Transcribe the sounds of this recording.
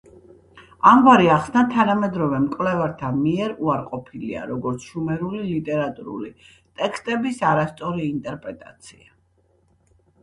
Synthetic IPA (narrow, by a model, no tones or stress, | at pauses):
amvaɾiaχsnat̪ʰanamɛd̪ɾɔvɛmkʼvlɛvaɾt̪ʰanmiɛɾuaɾqʼɔpʰilḭa̰ɾɔɡɔɾt̪sʰʃumɛɾulilit̪ʼɛɾat̪ʼuɾṵli | t̪ʼɛkʰst̪ʼɛbisaɾast̪sʼɔɾiːnt̪ʼɛɾpʼɾɛt̪ʼa̰t̪sʰia